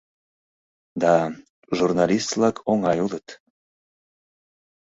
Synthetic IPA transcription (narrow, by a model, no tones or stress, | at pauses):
d̪ɑ | ʒurnɑlʲist̪vlɑkʰoŋɑjulət̪